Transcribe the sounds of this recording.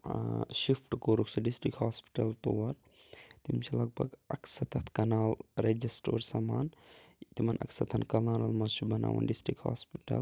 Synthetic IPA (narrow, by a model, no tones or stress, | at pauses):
ʃifʰʈkoːɾuksɐɖisʈikhaːspi̥ʈɐlt̪owɐɾ | t̪imt͡ʃʰilɐɡ̚bɐ̰ɡɐksɐt̪ʰɐt̪ʰkɐnaːlɾed͡ʒisʈo̰ːɾsɐmaːnt̪imɐnʔɐ̰ksɐt̪ʰɐnkɐlaːnɐlmɐzt͡ʃubɐnʔa̰ːʋɐ̰nɖisʈɾik̚ha̰ːspiʈɐ̰l